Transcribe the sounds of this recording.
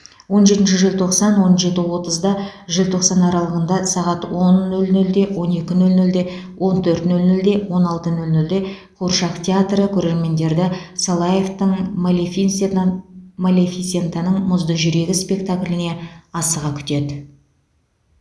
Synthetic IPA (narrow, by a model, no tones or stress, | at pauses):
wo̞nʒe̞t̪ɪnʃɪʒɪlʲt̪ʰo̞qsɑnwo̞nʒe̞t̪ɪwo̞t̪əzd̪ɑʒɪlt̪ʰo̞qsɑnɑɾɑlˠəʁənd̪ɑsɑʁɑt̪wo̞nːɵlnɵld̪e̞wo̞ne̞kʲɪnɵlnɵld̪e̞wʔo̞nt̪ʰɵɾt̪nɵlnɵld̪e̞wo̞nɑlˠt̪ənɵlnɵld̪e̞ | qʰuɾʃɑqt̪ʲʰeat̪rəkʲʰɵɾe̞ɾme̞nd̪e̞ɾd̪ɪsolˠajeft̪əɴmlefin | malʲefisʲe̞nt̪anəɴmʊzd̪əʒʏɾe̞ɡʲɪspʲe̞k̚t̪aklʲɪne̞ɑsəʁɑkʲʰʏ̥t̪e̞d̪ɪ